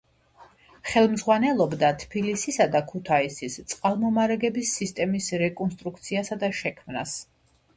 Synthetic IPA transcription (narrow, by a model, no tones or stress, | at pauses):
χɛlˠmzʁwanɛlˠɔbd̪at̪ʰpilisisad̪akʰut̪ʰaisist̪sʼqʼalˠmɔmaɾɛɡɛbisːist̪ʼɛmisɾɛkʼɔnst̪ʼɾukʰt̪sʰiasad̪aʃɛkʰmnas